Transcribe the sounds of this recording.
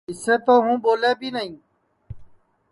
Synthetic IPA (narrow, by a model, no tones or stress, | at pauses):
ɪset̪oɦũːboːleːbinɐĩː